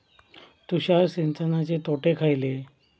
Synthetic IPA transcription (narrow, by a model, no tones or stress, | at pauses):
t̪uɕaɾsent͡sənat͡ɕet̪oʈekʰajle